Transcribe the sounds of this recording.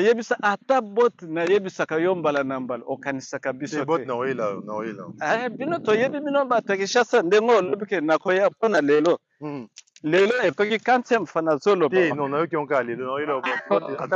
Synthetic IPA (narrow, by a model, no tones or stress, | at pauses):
ajebisaʔatabotnajebisakajombalanambalaokanisakabisobotnakojelaonakojela̰abinotojebibinombatakiʃasandeŋɡoolobikenakojaponalelo | leloekokikantɛmfanazolobenɔ̃najokiɔ̃kaalelonakojelobota